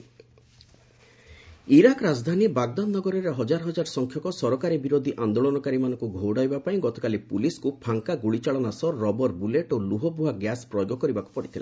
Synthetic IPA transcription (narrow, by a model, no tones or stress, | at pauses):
iɾakɾad͡ʒd̪ʱanibaɡ̚d̪anːɔɡɔɾɔɾeɦɔd͡ʒaɾɔɦɔd͡ʒaɾɔsɔŋkʰjɔkɔsɔɾɔkaɾibiɾod̪ʱiʔand̪oɭɔnɔkaɾimanɔ̃ŋkuɡʱowɽajbapaĩɡɔt̪ɔkalipuliskupʰaŋkaɡuɽit͡ʃaɭɔnasɔːɔbɔɾbuleʈoluɦɔbʱuɦaɡjaspɾɔjoɡɔkɔɾibaku̥pɔɽit̪ʰila̰